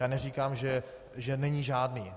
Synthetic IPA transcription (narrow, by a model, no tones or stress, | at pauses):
jaːnɛriːkaːmʒɛ | ʒɛnɛɲiːʒaːdniː